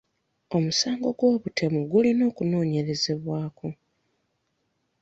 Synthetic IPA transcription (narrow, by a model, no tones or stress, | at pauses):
o̞musaːŋɡo̞ɡwo̞ːβutʰe̞muɡulino̞ːkuno̞ːɲe̞ɾe̞ze̞βwaːko